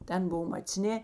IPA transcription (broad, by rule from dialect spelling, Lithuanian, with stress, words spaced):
ˈtʲɛn ˈboːw mɐt͡sʲˈnʲeː